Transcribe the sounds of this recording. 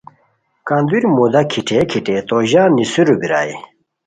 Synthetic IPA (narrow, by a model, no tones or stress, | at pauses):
kaŋd̪yɹmod̪akʰiʈ͡ʂʰɛːkʰiʈ͡ʂɛːt̪ɔʑanisøɾupiɹa̰je